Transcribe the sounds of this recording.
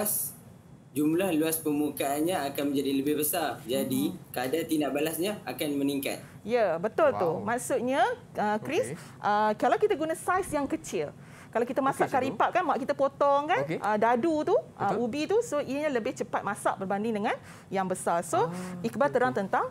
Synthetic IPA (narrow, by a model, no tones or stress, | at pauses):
as | d͡ʒumlahluaspəmukaːnɲãakanmə̃ɲd͡ʒadiləbɪhbəsard͡ʒadikadat̪indaʔbalasɲaakanməniŋka̰t̪̚ | jəbət̪ʊlt̪umaksʊʔ̚ɲa | əkɾis | ʔəkalawkit̪aɡunasajsjaŋkət͡ʃɪl | kalawkit̪amasaʔkaɾipaʔkanmaʔkit̪apot̪ɔŋkaʔədadut̪uʔəubit̪usoiɲãləbɪht͡ʃəpat̪̚masa̰ʔbərbandɪŋdəŋãn | jaŋbəsarsoikəbart̪əɾaŋt̪ənt̪aŋ